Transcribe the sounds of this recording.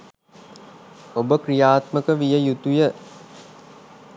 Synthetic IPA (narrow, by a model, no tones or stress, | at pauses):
obəkɾijaːt̪məkəʋijəjut̪ujə